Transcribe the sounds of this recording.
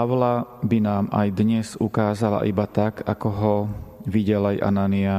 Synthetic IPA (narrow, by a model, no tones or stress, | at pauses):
aʋlabinaːma̰jd̪ɲɛz̥ukaːzala̰ʔibat̪akakɔɦɔʋiɟɛlajʔa̰nania